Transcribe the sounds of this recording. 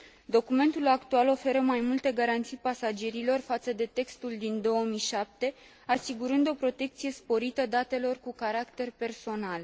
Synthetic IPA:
d̪o̞kume̞nt̪ulakt̪ualo̞fe̞ɾəmajmult̪e̞ɡaɾant̪sijpasad͡ʒe̞ɾilo̞rfat̪səd̪e̞t̪e̞kst̪uld̪ind̪o̞womijʃap̚t̪e̞ | asiɡuɾɨnd̪o̞pɾo̞t̪e̞k̚t̪sije̞spo̞ɾit̪əd̪at̪e̞lo̞rkukaɾakt̪e̞rpe̞rso̞nal

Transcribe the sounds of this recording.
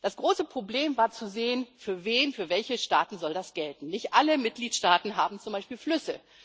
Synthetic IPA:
d̥asɡ̥ʁoːsəpʁ̥obleːmvaːɐt͡suzeːənfyːɐveːnfyːɐvɛlçəʃtaːtn̩zɔldasɡ̥ɛltn̩nɪçtʔaləmɪt̚ɡ̥liːtʃtaːtn̩ɦaːbm̩t͡sʊmbaɪʃpiːlflʏsə

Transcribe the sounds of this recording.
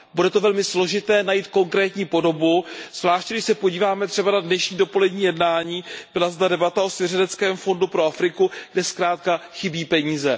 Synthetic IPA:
budɛt̪o̞vɛlmɪslo̞ʒɪt̪ɛːnajiːt̪̚ko̞ŋkɾɛːt̪ɲiːpo̞do̞buz̥vlaːʃcɛɡdɪʃsɛpo̞ɟiːvaːmɛt̪r̝̥ɛbanadnɛʃɲiːdo̞po̞lɛdɲiːjɛdnaːɲiːb̥ɪlazdadɛbat̪ao̞svjɛrɛdɛt͡skɛːmfo̞ndupɾo̞afɾɪkuɡdɛskɾaːt̪̚kaxɪbiːpɛɲiːzɛ

